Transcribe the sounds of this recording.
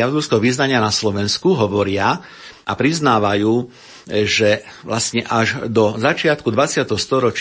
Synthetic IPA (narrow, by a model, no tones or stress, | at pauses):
aʊzuskɛɦɔʋiznaɲɪanaslɔʋɛnskuɦɔʋɔɾɪa | ʔa̰pɾiznaːʋajuː | ʒɛʋlastɲɛʔaʒd̪ɔzat͡ʃɪat̪kud̪ʋat͡sɪat̪ɛɦɔst̪ɔɾɔt͡ʃ